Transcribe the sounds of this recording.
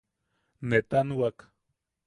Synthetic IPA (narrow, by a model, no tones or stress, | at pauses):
net̪anuwak